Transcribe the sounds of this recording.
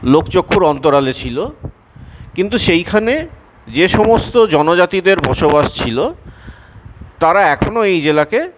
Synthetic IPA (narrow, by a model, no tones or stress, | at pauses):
lokt͡ɕokʰːuɾɔnt̪oɾalet͡ɕʰilo | kint̪̬uʃejkʰane | d͡ʑeʃɔmost̪od͡ʑɔnod͡ʑat̪id̪eɾbɔʃobaʃt͡ɕʰilo | t̪aɾaɛkʰonoejd͡ʑelake